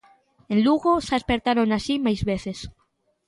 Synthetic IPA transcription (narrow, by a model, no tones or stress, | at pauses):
ẽnluɣosaespeɾt̪aɾonaʃimajzβeθes